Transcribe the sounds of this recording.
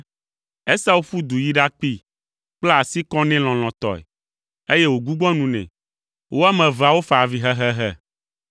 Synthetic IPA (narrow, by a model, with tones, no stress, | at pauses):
ɛ˦sa˦wu˦fu˦d̪u˨ji˦ɖa˦k͡pi˦˨ | k͡plɛ˦a˨si˦kɔ̃˦nɛ̃˦l̃ɔ̃˨l̃ɔ̃˨t̪ɔ̰˨ɛ̰˨ | e˦je˦wo˨ɡu˦ɡ͡bɔ̃˦nũ˨nɛ̰̃˨ | wʔo˦a˦mɛ̃˨va˨wo˦fa˨vi˨ɦɛ˦ɦɛ˦ɦɛ˦